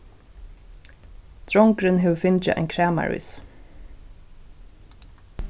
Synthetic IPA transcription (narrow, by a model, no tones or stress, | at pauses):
d̪̥ɹɔŋkɾɪnɦɛːwfɪnt͡ʃɪʔa̰ɪnkʰɹæːma̰ɹʏ̰ːs